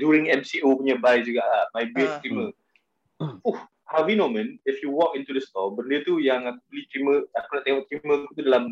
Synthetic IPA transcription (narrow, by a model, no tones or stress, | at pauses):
djuɾĩŋɛ̃msiʔopuɲabajd͡ʒuɡaʔlamajbit̚t̪ɾimə̃ | fuh | havinõmə̃nɪfjuwɔkĩnt̪udəst̪ɔbəndət̪ujaŋakubəlit̪ɾimə̃akunaʔt̪eŋɔʔt̪ɾimə̃kut̪udalam